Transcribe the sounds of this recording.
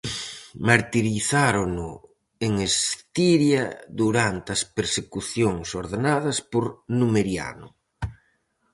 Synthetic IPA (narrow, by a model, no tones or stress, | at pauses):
maɾt̪iɾiθaɾonʊ | eŋest̪iɾjɐðuɾant̪ɐspeɾsekuθjoŋsoɾðenaðɐspoɾnumeɾja̰nʊ